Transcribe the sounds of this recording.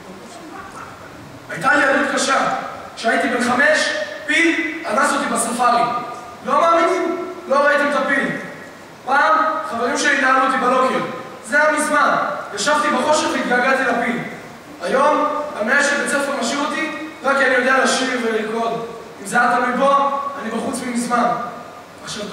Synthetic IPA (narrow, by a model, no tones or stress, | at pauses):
ajt̪aliadut̪̚kaʃa | ʃeait̪ibenχame̞ʃpilanaso̞t̪ibasafaʁi | lo̞maːminimlo̞ʁait̪imet̪apil | paːmχaveʁimʃelinaalut̪ibalo̞keʁ | zejamizmanjaʃavt̪ibeʁo̞ʃeʁvit̪̚ɡalɡalt̪ilapil | ajo̞mamneaʃezat͡sefeʁmaʃiʁot̪iʁakianijo̞d̪ealaʃiʁveliko̞d | imzeat̪alibo̞anibeχut͡smimizman | aʃeʁ